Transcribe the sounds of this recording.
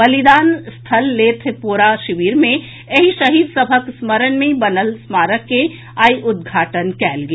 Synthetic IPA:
bɐlɪd̪aːnst̪ʰɐlːeːt̪ʰepuːɾaʃɪʋiːɾmẽ | ɐɦiʃɐɦiːd̪sɐbʱəksməɾənmẽbɐnəlsmaːɾəkːe | aːiʔʊd̪̚ɡʱaːʈənkɛːlɡɐː

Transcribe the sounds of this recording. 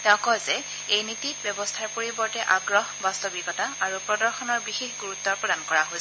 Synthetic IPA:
tɛʊ̃kɔzɛ | ejnitit̚bjɛbɔstʰaɹpoɹibɔɹtɛʔaɡɹɔɦbastobiɡɔtaaɹupɹɔdɔɹxɔnɔɹbixexɡuɹutːɔɹpɹɔdankɔɹaɦojsɛ

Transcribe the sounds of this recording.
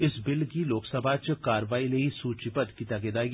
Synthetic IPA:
ɪsbɪlɡiloːksəbʱat͡ʃkaːɾʋaːileisuːt͡ʃipət̪kit̪aɡeːd̪aːi

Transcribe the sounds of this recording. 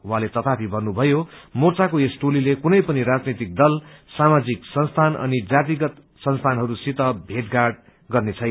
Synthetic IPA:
wɦãlet̪ʌt̪apʰibʱʌrnubʱʌjomort͡sakoesʈulilekunʌjpʌniɾad͡znet̪ik̚d̪ʌlsamad͡ziksʌnst̪ʰanʔʌ̰nid͡zat̪̬iɡʌt̪ | sʌnst̪ʰanɦʌɾusit̪ʌbʱeʈɡarɖ | ɡʌrnet͡sʰʌj

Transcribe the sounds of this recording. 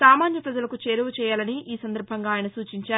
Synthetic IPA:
saːmaːnjɐpɾɐd͡ʒɐlɐkut͡ʃeːɾuʋut͡ʃɛːjaːlɐniʔiːsɐnd̪ɐɾbʱɐŋɡaːjɐnɐsuːt͡ʃiɲt͡ʃaː

